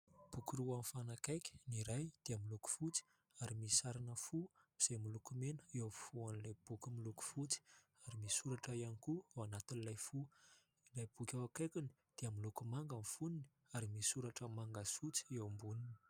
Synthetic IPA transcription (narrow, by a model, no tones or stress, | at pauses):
b̥ukuɾuamfanakajkʲə̥niɾajd̪̥eamiluku̥fut͡si̥ | aɾimissaɾanəfumiz̥ajmilukumenəeowfuanlajb̥ukʲimiluku̥fut͡si̥ | aɾimisuɾaʈ͡ʂaianikuawanat̪inilajfu | ilajb̥ukʲawakejkʲuni̥ | d̪̥eamilukumaŋɡəmfunini̥ | aɾimisuɾaʈ͡ʂəmaŋɡasut͡si̥ewmbunini̥